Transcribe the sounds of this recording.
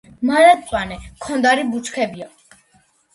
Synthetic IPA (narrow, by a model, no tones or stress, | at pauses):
maɾat̪ʼpʼanɛkʰɔnd̪aɾibut͡ʃkʰɛbia